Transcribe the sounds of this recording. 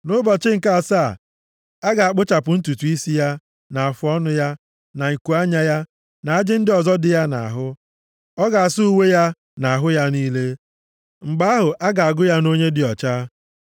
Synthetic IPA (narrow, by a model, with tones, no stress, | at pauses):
nʊ˦bɔ˨t͡ʃɪ˦ŋ̩˨ka˦˨a˨saː˦˨ | a˦ɡa˨a˨k͡pʊ˦t͡ʃa˨pʊ˨n̩˦tu˨tu˨i˦si˦ja˦ | na˨a˨fʊ˦ɔ˦nʊ˦ja˦ | na˨ŋ̩˨ku˨a˦ɲa˦ja˦ | na˨a˦d͡ʒɪ˦n̩˦dɪ˦ɔ˨zɔ˦dɪ˨ja˦na̰˨a˨ɦʊ˦ | ɔ˦ɡa˨a˨sʊ˦u˦we˦ja˦ | na˨a˨ɦʊ˦ja˦niː˦le˦ | ŋ͡m̩˨ɡ͡ba˦ɦʊ˨ʔa˦ɡa˨a˨ɡʊ˦ja˦no˦ɲe˦dɪ˨ɔ˨t͡ʃaː˦